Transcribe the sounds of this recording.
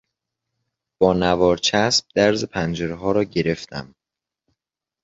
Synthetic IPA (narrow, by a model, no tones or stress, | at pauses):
b̥ɒːnævɒːɾt͡ʃʰæsb̥̚d̪̥æɾzepʰænd͡ʒeɾeɦɒːɾɒːɟe̞ɾe̞ft̪ʰæ̰m